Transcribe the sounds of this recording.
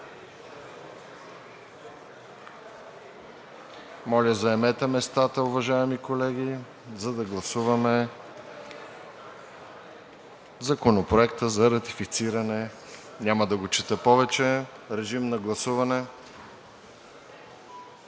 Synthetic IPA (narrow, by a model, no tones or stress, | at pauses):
mɔlʲəzɐɛmɛt̪ɛmɛst̪at̪əʊvɐʒaɛmikolɛɡʲi | zɐd̪ɐɡlˠɐsuvɐmɛ | zɐkonopɾoɛkt̪əzɐɾɐt̪ifit̪siɾɐnɛ | nʲaməd̪ɐɡot͡ʃit̪əpɔvɛt͡ʃɛɾɛʒimnɐɡlˠɐsuvɐnɛ